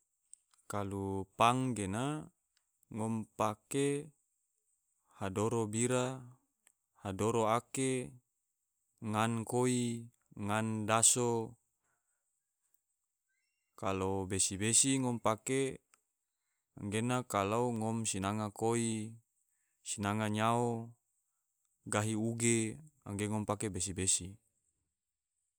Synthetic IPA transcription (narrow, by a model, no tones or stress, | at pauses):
kalupaŋɡena | ŋɔmpake | hadoɾobiɾa | hadoɾoake | ŋankoi | ŋandaso | kalobesibesiŋɔmpake | a̰ŋɡenakalauŋɔmsinaŋakoi | sinaŋaɲao | ɡaɦiuɡea̰ŋɡeŋɔmpakebes̬ibesi